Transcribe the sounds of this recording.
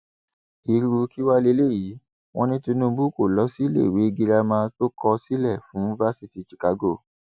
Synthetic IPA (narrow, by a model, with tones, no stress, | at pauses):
i˧ɾu˧ki˦wa˦le˧˦le˦˨ji˨˦ | w̃ʔɔ̃˦nĩ˦tĩ˧nũ˦˧bu˦˨ko˦˨lɔ˨˦si˦lḛ˦˨we˨˦˧ɡi˧ɾa˧mã˧to˦kɔ˧si˦lɛ˦˨fũ˨˦i˧va˦si˧ti˨t͡ʃi̥˨ka˨˦ɡo˦˨